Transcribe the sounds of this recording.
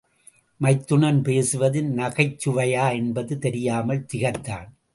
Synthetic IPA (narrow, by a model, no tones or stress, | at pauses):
mɐɪt̪ːʊɳɐnpeːsɯʋɐðɪnnɐɣɐɪt͡ʃːʊʋɐjaːɛnbɐðɯt̪ɛɾɪjaːmɐlt̪ɪɣɐt̪ːaːn